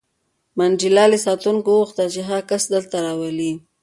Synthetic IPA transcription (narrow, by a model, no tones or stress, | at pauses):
mand͡ʒilɑlesɑt̪uŋkowuxt̪at͡ʃeɦaɣkasd̪əlt̪aɾɑwəli